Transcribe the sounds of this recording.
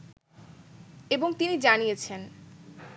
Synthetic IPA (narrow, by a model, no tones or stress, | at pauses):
eboŋt̪inid͡ʑanijet͡ɕʰen